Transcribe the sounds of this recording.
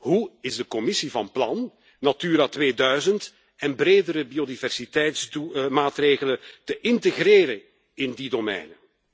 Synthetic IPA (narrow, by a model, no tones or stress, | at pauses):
ɦuɪzdəkɔmɪsivɑnplɑnː | atyːɾatβeːdœɥzənt | ɛnbɾeːdəɾəbiodivɛrsitɛjtstumaːtreːɣələtəʔɪntəɣreːɾən | ɪndidomɛ̰jnə